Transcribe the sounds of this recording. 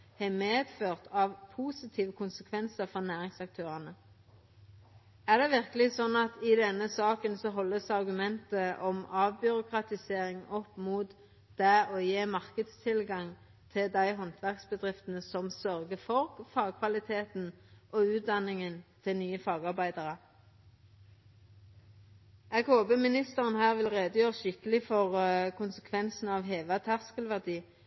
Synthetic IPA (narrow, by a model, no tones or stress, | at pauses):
hɛmeːd̪føːʁt̪ʰɑːʋpʰuːsɪt̪ʰiːʋəkʰʊnsəkʰʋɛnsəfɔʁnæːʁɪŋsɑk̚t̪ʰøːʁɑnə | æʁd̪ɛʋɪʁkəlɪsɔnːɑt̪ɪd̪ɛnːəsɑːkənsɔɦɔlːəsɑʁɡʉmɛnt̪əʔɔmɑːʋbʏɾʊkʰʁɑt̪ɪseːɾɪŋɔpːmuːt̪ | d̪̥æoːjeːmɑʁkəd̪st̪ʰɪlɡɑŋ | t̪ʰɪd̪æɪɦɔnt̪ʰʋæʁksbəd̪ʁɪft̪ənəsɔmsœʁɡəfɔʁfɑːɡ̚kʰʋɑlɪt̪ʰeːt̪nʔoːʉːt̪̚d̪ɑnɪŋənt̪ʰɪlnyːəfɑːɡɑʁbæɪd̪əʁə | ɛːɡhoːbəmɪnɪst̪əʁənhæːʁʋɪlʁeːd̪əjøːʁəʃɪkəlɪfɔʁkʰʊnsəkʰʋɛnsn̩ɑʋɦeːʋət̪ʰæʁskəlʋæʁd̪iː